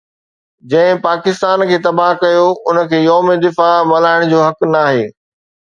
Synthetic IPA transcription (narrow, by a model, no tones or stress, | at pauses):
d͡ʑɐ̃ɦɪ̃paːkɪst̪aːnkʰeːt̪ɐbaɦkɐjoʊnə̆kʰeːjɔːmed̪ɪfamɐlaːɪɽ̃d͡ʑoːɦɐknaːɦeː